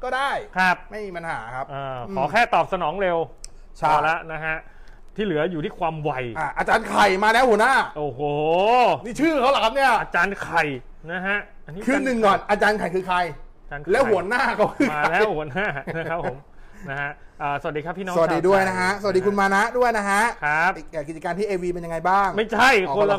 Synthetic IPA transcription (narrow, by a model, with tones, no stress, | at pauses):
kɔː˥˩daː˥˩jkʰɾa˦˥p̚ma˥˩jmiː˧pa˧nhaː˩˦kʰa˦˥p̚ʔɤː˧kːʰɔː˨˩˦kʰɛː˥˩t̪ɔː˨˩p̚sa˧nɔː˩˦ŋɾe˧w | t͡ɕʰa˥˩la˦˥na˦˥kʰa˦˥ | t̪ʰiː˥˩lɯ˩˦ɐjuː˨t̪ʰiː˥˩kʰwaː˧mwa˧jʔaː˧˩ʔaː˧t͡ɕaː˧nkʰa˨˩jmaː˧lɛː˦˥whu˩˦naː˥˩ʔoː˨˧˩hoː˨˩niː˥˩t͡ɕʰɯː˥˩kʰa˦˥wla˨˩kʰa˦˥p̚ni˥˩ɐa˧t͡ɕaː˧nkʰa˨˩j | na˦˥ɦa˦˥ | ʔa˧nːi˦˥kʰɯː˧nɯ˨˩ŋːkɔː˨˩nʔaː˧t͡ɕaː˧nkʰa˨˩jkʰɯː˧kʰa˧j | aː˧nlɛ˦˥wɦu˩˦ɐənaː˥˩kʰa˦˥wkʰɯ˧˩˧lɛː˦˥whu˩˦naː˥˩n˦˥kʰa˦˥pʰo˩˦m | na˦˥ha˦˥ʔəː˨˩sa˨˩a˩diː˧kʰa˦˥pʰːiː˥nɔː˦st̚diː˧du˥˩əjna˦˥kʰa˦˥sa˨˩t̪̚diː˧ku˧nmaː˧na˦˥ʔdu˥˩əjna˦˥kʰa˦˥ʔkʰa˦˥p̚e˨˩k̚ʔːki˨˩t͡ɕa˨kaː˧nt̪ʰiː˥˩ʔeː˧wiː˧pe˧nja˧ŋa˧jbaː˥˩ŋma˥˩jt͡ɕʰa˥˩jʰo˧la˧